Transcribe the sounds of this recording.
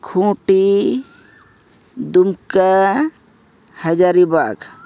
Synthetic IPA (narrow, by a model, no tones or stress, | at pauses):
kʰũʈi | d̪umka | həd͡ʒaɾibak